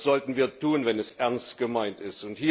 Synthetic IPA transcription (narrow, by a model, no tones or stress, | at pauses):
z̥ɔltn̩viːɐtʰuːnvɛnɛsʔɛɐnstɡ̥əmaɪntɪstʊnthiː